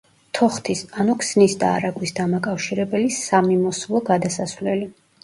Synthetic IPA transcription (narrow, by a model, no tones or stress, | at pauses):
t̪ʰɔχt̪ʰisanukʰsnisd̪aːɾaɡwisd̪amakʼafʃiɾɛbɛlisamimɔslˠɔɡad̪asasvlɛli